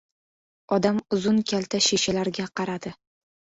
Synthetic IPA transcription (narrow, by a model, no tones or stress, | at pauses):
ɒd̪amʊzʊnkʲʰalt̪ʰaʃeʃalaɾɡʲaqʰɑɾad̪ɪ